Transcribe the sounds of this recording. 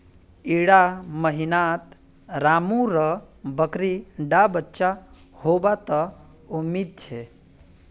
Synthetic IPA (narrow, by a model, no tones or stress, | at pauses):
iɽaməɦinat̪ | ɾamũɾə | bəkɾiɖabətːʃahobat̪ə | umid̪̚t͡ʃʰe